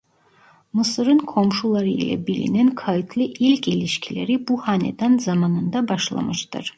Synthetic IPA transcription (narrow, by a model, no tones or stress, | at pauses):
mɯsɯɾɯnkʰo̞mʃulˠaɾɯilʲɛ̰bilḭnɛnkʰajɯt̪ʰlˠɯʔilʲkʰilʲiʃcʰʲilʲeɾibuhanḛd̪anzamanɯnd̪abaʃlˠa̰mɯʃt̪ɯ̰ɾ̥